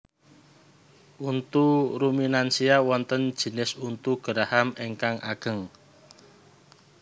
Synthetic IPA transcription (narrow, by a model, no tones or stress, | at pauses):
ʔunt̪uɾuminansiawɔnt̪ən̥ʒ̥i̤nɪsunt̪uɡ̥əɾahameŋkaŋʔa̰ɡ̥ə̤ŋ